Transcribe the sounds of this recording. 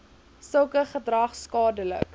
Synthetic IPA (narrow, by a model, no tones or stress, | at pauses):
səlˠkəχədrɐχskɑːdələ̰k